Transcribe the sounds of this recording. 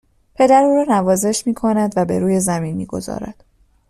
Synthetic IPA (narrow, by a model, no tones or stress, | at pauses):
pʰe̞d̪æɾuːɾɒːnævɒːze̞ʃmiːkʰo̞næd̪væbe̞ɾuːje̞zæminmḭːɡo̞̰zɒ̰ːɾæ̰d̪̥